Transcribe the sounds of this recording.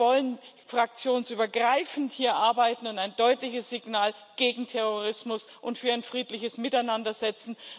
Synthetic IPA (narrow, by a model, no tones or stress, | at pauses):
vɔlən | fʁ̥ak̚t͡sjoːnsyːbɐɡʁaɪfn̩thiːɐʔaɐbaɪtn̩ʊntaɪndɔʏtlɪçəsz̥ɪɡnaːlɡ̥eːɡŋ̩tʰɛʁoʁɪsmʊsʔʊntfyːɐaɪnfʁ̥iːtlɪçəsmɪtaɪnandɐzɛt͡sn̩